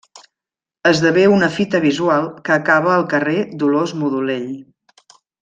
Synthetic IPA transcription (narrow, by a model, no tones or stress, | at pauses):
əzðəβeunəfit̪əβizualˠkəːkaβəːlˠkəred̪ulozmuðuleʎ